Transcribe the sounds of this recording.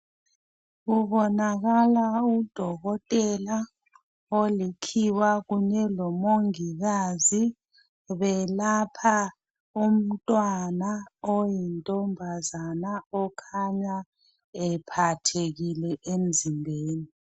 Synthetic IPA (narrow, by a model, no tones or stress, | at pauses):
ɣuβɔnaɣalaud̥ʱɔɣɔtʼɛla | olikʰiwaɣuɲɛlɔmoŋiɣazi | βɛlapʰa | um̩tʼwanaojintʼɔmbʱazanaɔkʰaɲa | ɛpʰatʰeɣilɛʔemd͡zʱimbʱeːni